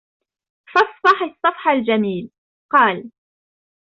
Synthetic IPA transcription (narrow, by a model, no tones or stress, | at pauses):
fɑsˤfɑħɑsˤːɑfħald͡ʒamiːl | qɑːl